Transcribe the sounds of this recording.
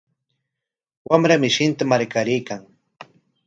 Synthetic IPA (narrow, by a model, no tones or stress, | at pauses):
wamɾamɪʃɪnt̪amaɾkaɾɪjkaŋ